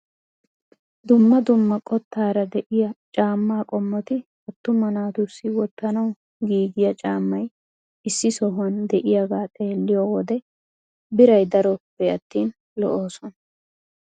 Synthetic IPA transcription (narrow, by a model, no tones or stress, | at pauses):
d̪ʊmːɐd̪ʊmːɐkʼɔt̪ːaːɾɐd̪ɛʔɪjɐt͡ʃʼaːmːaːkʼɔmːɔt̪ɪ | ɔt̪ːʊmɐnaːt̪ʊsːɪwɔt̪ːɐnɐw | ɡiːɡɪjɐt͡ʃʼaːmːɐj | ɪsːɪsɔɦɐnd̪ɛʔɪjɐɡaːt̪ʼe̞ːlːɪjoːwɔd̪ɛ | bɪɾɐjd̪ɐɾɔpːɛɐt̪ːiːn | lɔ̰ʔo̞ːsɔnɐ